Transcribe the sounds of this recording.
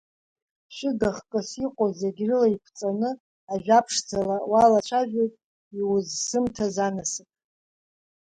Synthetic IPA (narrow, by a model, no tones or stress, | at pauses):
ʃɪdaχkʼɨsiqʼozeɡʲrɨlaipʷʰt͡sʼanɨ | aʒᶣapʰʂd͡zalawalat͡ʃʷʰaʒᶣejtʼ | iwʊzsɨmtʰazanasɨpʼ